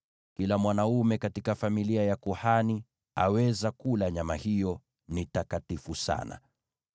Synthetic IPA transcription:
kilamwanaumɛkatikafamiliajakuhani | a̰wɛzakulaɲamahijɔ | nitakatifusa̰na̰

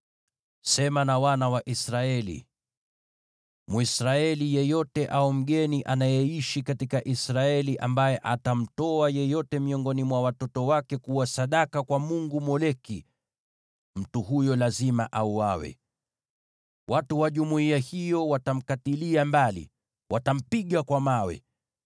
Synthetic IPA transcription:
sɛmanawanawaʔisɾaɛlḭ | muisɾaɛlijɛjɔtɛʔaum̩ɠɛniʔanajɛiʃikatikaʔisɾaɛliʔambajɛʔatam̩tɔajɛjɔtɛmiɔŋɡɔnimwawatɔtɔwakɛkuwasaɗakakwamuŋɡumɔlɛki | m̩tuhujɔlazimaʔauwawɛ̰ | watuwaʄumuiahijɔwatam̩katiliambalḭ | wʔatam̩piɠakwamawɛ̰

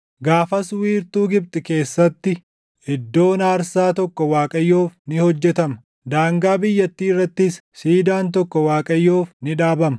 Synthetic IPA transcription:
ɡaːfɐswiːɾt̪uːɡɪb̚t̪ʼɪke̞ːsːɐt̪ːɪ | ɪd̪ːo̞ːnaːɾsaːt̪ɔkːɔwaːkʼɐjːo̞ːfnɪhɔd͡ʒːɛt̪ɐmɐ | d̪aːŋɡaːbɪjːɐt̪ːiːɪrːɐt̪ːɪsːiːd̪aːnt̪̬ɔkːɔwaːkʼɐjːo̞ːfnɪᶑaːbɐmɐ

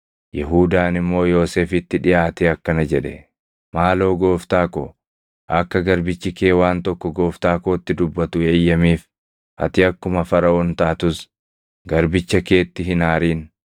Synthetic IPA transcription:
jɛɦuːd̪aːnɪmːo̞ːjo̞ːse̞ːfɪt̪ːɪᶑɪʔaːt̪eːɐkːɐnɐd͡ʒɛᶑɛ | maːlo̞ːɡo̞ːft̪aːko̰ | ʔɐkːɐɡɐɾbɪt͡ʃːɪke̞ːwaːnt̪ɔkːɔɡo̞ːft̪aːkoːt̪ːɪd̪ʊbːɐt̪ʊeːjːɐmiːf | ʔɐ̰t̪ɪɐkːʊmɐfɐɾɐoːnt̪aːt̪ʊs | ɡɐɾbɪt͡ʃːɐke̞ːt̪ːɪɦɪnaːɾiːn

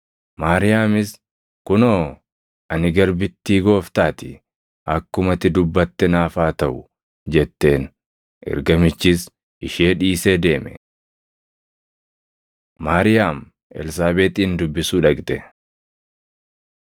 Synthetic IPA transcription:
maːɾɪjaːmɪs | kʊnoː | ɐnɪɡɐɾbɪt̪ːiːɡo̞ːft̪aːt̪ɪ | ʔɐkːʊmɐt̪ɪd̪ʊbːɐt̪ːɛnaːfaːt̪ɐʔʊ | d͡ʒɛt̪ːe̞ːn | ʔɛ̰ɾɡɐmɪt͡ʃːɪs | ʔɪʃeːᶑiːseːd̪e̞ːmɛ̰ | maːɾɪjaːm | ɛ̰ls̬aːbeːt̪ɪːnd̪ʊbːɪsuːᶑɐɡt̪ɛ

